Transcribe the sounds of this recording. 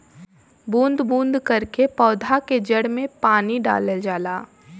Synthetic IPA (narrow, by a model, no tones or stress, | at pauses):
bũːnd̪bũːnd̪kɐɾkepɔːd̪ʱaked͡ʒɐɽmẽpaːniɖa̰ːləld͡ʒaːlaː